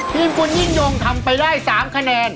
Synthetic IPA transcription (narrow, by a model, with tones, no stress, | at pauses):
pʰiː˧nku˧nji˥˩ŋjo˧ŋt̪ʰa˧mpa˧jdaː˥˩jsaː˩˦mkʰa˧nɛː˧n